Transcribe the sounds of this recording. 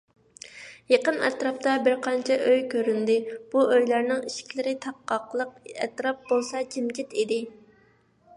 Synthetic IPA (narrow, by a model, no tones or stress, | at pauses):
jeqənɛ̰t̪ɾɑp̚t̪ɑbɪɾqʰɑnt͡ʃʰɛʔøjkʲʰøɾynd̪ɪb̥uøjlæɾnɪŋiʃɪ̥kʲʰlɪɾɪt̪ʰɑqːɑqlˠəqɛt̪ɾɑp̚bolˠsɑt͡ʃʰɪmɡʲɪt̪id̪ɪ